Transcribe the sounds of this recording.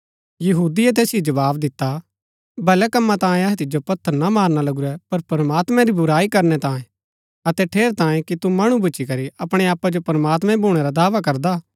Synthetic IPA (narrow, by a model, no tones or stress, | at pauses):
jɐɦuːd̪iɛt̪̬eːsid͡ʒɐʋaːbd̪ɪt̪ːa | bɐlɛkɐmːãt̪ãːẽɐɦɛt̪ɪd͡ʒopɐt̪ʰːəɾnamaːɾnalɐɡuɾɛpɐɾpɾɐmaːt̪mɛ̃ɾibʊɾaːikɐɾnɛt̪ãːẽ | ɐt̪ɛʈʰeːɾt̪ãːjẽkit̪umaɽ̃ubʊːt͡ʃikɐɾiʔɐpɽ̃eaːpːad͡ʒopɾɐmaːt̪mɛ̃bʱuːɽ̃eɾad̪aːʋak̬ɐɾd̪aː